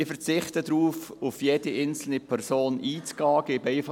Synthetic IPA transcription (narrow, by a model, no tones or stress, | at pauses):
ɪfəɾt͡sɪχt̪əd̪ɾuːfʊfjɛd̥iʔɪnt͡sl̩nipʰɛɾsoːnʔiːt͡sɡ̥ɑːɡeːbɛɪf